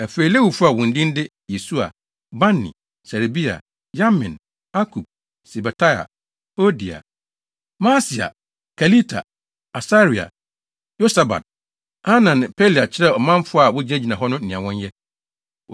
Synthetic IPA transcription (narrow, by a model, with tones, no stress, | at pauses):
æ˨fe˨i˨le˦hu˨bfʊ˦a˨wɔ̃˨n̩˨dĩ˦n̩˦dɪ˦ | je˨su˦a̰˨ | ba˦nːḭ̃˨ | sɛ˨ɾe˨bi˦a̰˨ | ja˦mɪ̃˨n | a˦kʰu˨b̥̚ | sɛ˨ba˨tʰa˦ja̰˨ | o˦di˨a̰˨ | mã˦si˨a̰˨ | kʰa˨li˦tʰa˨ | a˨sa˦ɾi˨a̰˨ | jo˦sa˨ba̰˨d̚ | ha˦nã˨n˨pʰe˦li˨a˨t͡ɕʰɪ˦ɾɛ˦˨ɔ˨mã˦m˦fʊ˦a˦˨wʊ˦d͡ʑi˦æ̃˦d͡ʑi˨nã˨ɦɔ˦nʊ̃˦˨nĩ˨ã˨wɔ̃˦njɛ˦